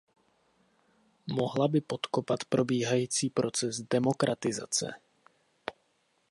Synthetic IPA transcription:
mo̞ɦlabɪpot̪kopat̪pɾo̞biːɦajiːt͡siːpɾo̞t͡sɛzdɛmo̞kɾʔat̪ɪza̰t͡sɛ̰

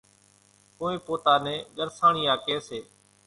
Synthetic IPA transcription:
kõːẽːpoːt̪aːnẽːɠəɾsãːɳiːaːkeːseː

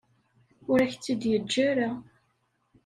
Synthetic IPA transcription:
ʊɾæçt͡sːid̪jəd͡ʒːæɾa

